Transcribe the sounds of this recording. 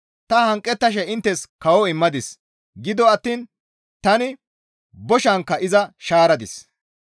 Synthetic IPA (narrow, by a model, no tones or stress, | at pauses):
t̪ɐhɐŋkʼːɛt̪ːɐʃ̬ɛɪnt̪ːɛskɐwɔɪmːɐd̪ɪs | ɡɪd̪ɔɐt̪ːiːn | t̪ɐnɪ | bɔʃɐŋkːɐʔɪzɐʃaːɾɐd̪ɪs